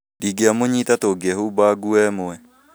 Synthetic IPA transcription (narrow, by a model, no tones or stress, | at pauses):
diɡeamoɲitatoɡɛhubaɡuɛmoɛ